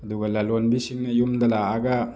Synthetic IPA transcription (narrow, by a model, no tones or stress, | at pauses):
ɐduɡɐlalonbisiŋnɐjumd̪ɐlaːɡa